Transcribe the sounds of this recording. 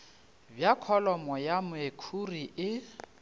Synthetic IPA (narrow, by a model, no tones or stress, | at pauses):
bjakʰɔlɔmɔjamʊekʰuriʔɪ